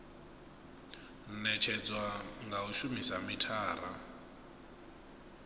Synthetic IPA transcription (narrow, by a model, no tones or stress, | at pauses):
nɛt͡ʃʰɛd͡zwaŋɡauʃumisamitʰaːɾa